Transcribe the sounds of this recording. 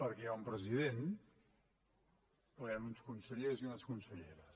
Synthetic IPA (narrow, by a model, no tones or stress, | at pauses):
pəɾkɛaumpɾəziðen | oanunskunsəʎeɾziunaskunsəʎeɾəs